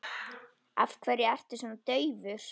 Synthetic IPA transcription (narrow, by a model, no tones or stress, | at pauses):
a̰fkʰvɛɾjɪɛr̥t̪ɪsɔnat̪œːɥvʏɾ̥